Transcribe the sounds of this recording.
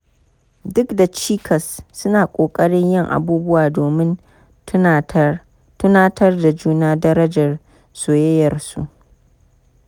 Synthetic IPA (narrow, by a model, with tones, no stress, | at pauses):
dʊ˦kda˨t͡ʃiː˦kʰɐ˨sːʊ˦naː˨kʷʼoː˨kʼɐ˦ɽɪ˦ɲjɪ˦ŋʔa̰˨buː˦bʊ˦waː˨doː˨mɪ˦n | tʊ˦naː˦tɐ˦rda˨d͡ʒuː˦naː˦dɐ˦ɾɐ˦d͡ʒɐ˨r | soː˨jɛ˦jɐ˨rsu˦ʔ